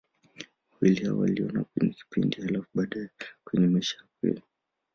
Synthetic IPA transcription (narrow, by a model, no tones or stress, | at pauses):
awilihaɔ̰wa̰liɔnakwɛɲɛki̥pindihalafuɓaːɗajɛkwɛɲɛmaʃaakwḭli